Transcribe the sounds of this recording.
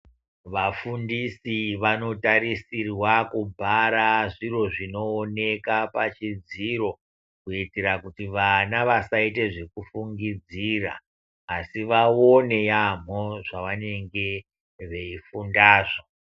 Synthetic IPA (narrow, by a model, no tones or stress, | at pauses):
ʋafundisiʋano̞taɾisirwakubʱaɾaʐiro̞ʐino̞ːne̞kapat͡ʃid͡ziro̞ | kuiteɾakutiʋanaʋasaite̞ʐe̞kufuŋɡid͡zira̰ː | siʋaone̞jam̤oʐaʋane̞ŋɡe̞ | ʋe̞ifundaːʐo